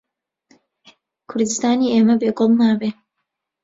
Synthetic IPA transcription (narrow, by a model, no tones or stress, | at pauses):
kʰʊɾd̪ɨst̪aːniːʔeːmɐbeːɡɔlˠnaːbeː